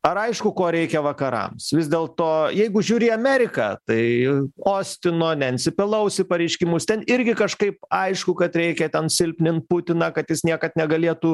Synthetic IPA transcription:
ɐɾɐɪʃkʊkoːɾʲɛɪkʲɛʋɐkɐɾɐ̰msʋʲɪzd̪ʲeːlˠt̪oːjɛɪɡʊʒʲuːɾʲɪɐmʲɛɾʲɪkɑːt̪ɐɪoːsʲt̪ʲɪnoːnʲɛɐnʲsʲɪpʲɪlˠɐʊsʲɪpɐɾʲɛɪʃʲkʲɪmʊst̪ʲɛnɪɾʲɡʲɪkɐʃkɐɪp̚ɐɪʃkʊkɐt̪ɾʲɛɪkʲɛt̪ʲɛnsʲɪlʲpʲnʲɪnt̪̚pʊt̪ʲɪnɑkɐt̪jɪsnʲiɛkɐt̪nʲɛɡɐlʲiɛt̪u

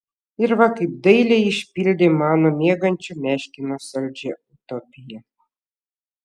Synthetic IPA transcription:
ɪɾʋɐkɐɪp̚d̪ɐɪlʲɛɪʃʲpʲilʲd̪ʲemɑːnomʲeɛɡɐnʲt͡ʃʲumʲæːʃʲkʲɪnosɐlʲd͡ʒʲɛut̪ɔpʲɪjɛ

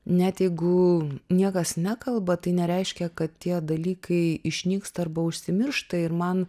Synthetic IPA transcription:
nʲɛt̪jɛɪɡʊnʲiɛkɐsnʲækɐlˠbɐt̪ɐɪnʲɛɾʲɛɪʃʲkʲɛkɐt̪tʲiɛd̪ɐlʲiːkʰɐɪɪʃʲnʲiːkst̪ɐrbɐʊʃʲsʲɪmʲɪrʃt̪ɐɪɾmɐn

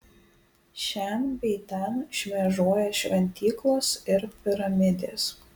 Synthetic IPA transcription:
ʃʲɛnbʲɛɪt̪ʲɛnʃʲmʲɛʒoːjɛʃʲʋʲɛnʲt̪ʲiːklˠoːsɪɾpʲɪɾɐmʲɪd̪ʲeːs

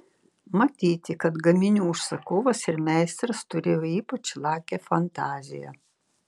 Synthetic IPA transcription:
mɐt̪ʲiːt̪ʲɪkɐt̪ɡɐmʲɪnʲuːʊʃsɐkoːʋɐsɪɾmʲɛˑɪst̪ɾɐst̪ʊɾʲeːjoiːpɐt͡ʃlˠɑːkʲɛfɐnt̪ɑːzʲɪ̰jɛ̰

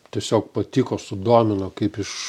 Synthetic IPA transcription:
t̪ʲiɛsʲoːkpɐt̪ʲiːkoːsʊd̪uɔmʲɪnokɐɪpɪʃ

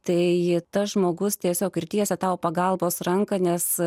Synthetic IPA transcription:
t̪ɐɪt̪ɐsʒmoːɡʊst̪ʲiɛsʲoːkɪrt̪ʲiɛsʲɛt̪ɐʊpɐɡɐlˠboːsrɐŋkɐnʲɛs

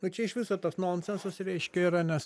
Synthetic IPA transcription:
nʊt͡ʃʲɛɪʃʋʲɪsɐt̪ɐsnonsʲɛnsɐsɾʲɛɪʃʲkʲɛiːɾɐnʲɛs

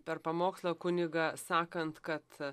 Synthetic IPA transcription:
pʲɛrpɐmoːkslˠoːkʊnʲɪɡɑːsɑːkɐnt̪kɐt̪

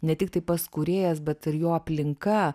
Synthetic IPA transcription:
nʲɛt̪ʲɪk̚t̪ɐɪpɐskuɾʲeːjɛsbʲɛt̪ɪɾjoːɐpʲlʲɪŋkɐ

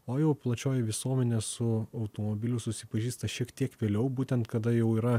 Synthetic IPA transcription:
oːjɛʊplˠɐt͡ʃʲoːjɛʋʲɪsuɔmʲɛnʲeːsʊɐʊt̪oːmobʲɪlʲʊsʊsʲɪpɐʒʲiːst̪ɐʃʲiɛkt̪ʲiɛkʋʲeːlʲɛʊbuːt̪ʲɛnt̪kɐd̪ɐjɛʊiːɾɐ

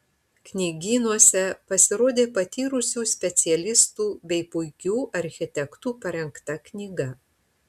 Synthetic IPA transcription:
knʲiːɡʲiːnuɔsʲɛpɐsʲɪɾoːd̪ʲeːpɐt̪ʲiːɾʊsʲuːsʲpʲɛt̪sʲɪɛlʲɪst̪uːbʲɛɪpʊɪkʲuːʔɐɾʲxʲɪt̪ʲɛkt̪uːpɐɾʲɛŋkt̪ɐknʲiːɡɐ

